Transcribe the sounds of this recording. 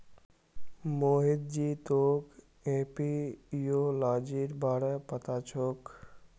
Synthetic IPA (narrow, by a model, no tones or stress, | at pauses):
moɦed̪̚d͡ʑit̪ok | epijolad͡ʑiɾbaɾepət̪at͡ɕʰok